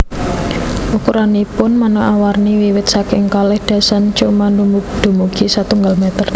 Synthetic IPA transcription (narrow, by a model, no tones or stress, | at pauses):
ʔukuɾanipʊnmanəʔawarniwiwɪt̪sakɪŋkalɪhd̪̥a̤sant͡ʃumandumuɡd̪̥ṳmuɡ̥isat̪uŋɡalmɛt̪ər